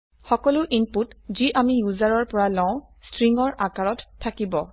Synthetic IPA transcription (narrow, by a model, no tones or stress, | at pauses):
xɔkɔlʊʔinputziʔamijuzaɹɔɹpɔɹalɔ̃ʊ̃stɹiŋɔɹʔakaɹɔtʰːakibɔ